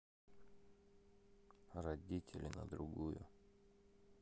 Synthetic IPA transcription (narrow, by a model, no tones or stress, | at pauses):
rɐdʲitʲɪlʲɪnə̰d̪ɾʊɡujʊ̰